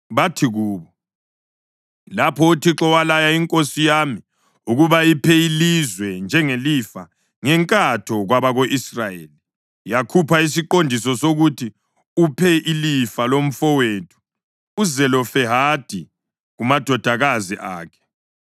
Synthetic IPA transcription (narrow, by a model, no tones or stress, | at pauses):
βatʰiɣuːβɔ | lapʰɔutʰiǁɔwalajaiŋkʼosijaːmi | uɣuβaipʰɛilizwɛnd͡ʒʱɛŋelifa | ŋɛŋkʼatʰɔɣwaβaɣoʔisrajeːli | jakʰupʰais̬iǃondʱisɔsoɣutʰi | upʰɛʔilifalom̩fɔweːtʰu̥ː | zɛlɔfɛɦad̥ʱi | ɣumad̥ʱɔd̥ʱaɣaziʔaːkʰɛ̥